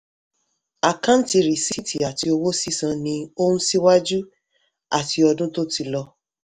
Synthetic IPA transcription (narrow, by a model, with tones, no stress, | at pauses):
a˨kã˦n̩˦ti˨˧ɾi˨si˦ti˨a˨ti˧˦o˧wo˦si˦sã˧nĩ˧o˦ũ˦si˦wa˦d͡ʒu˦ | a˨ti˨˧ɔ˧dũ˦to˦ti˧lɔ˧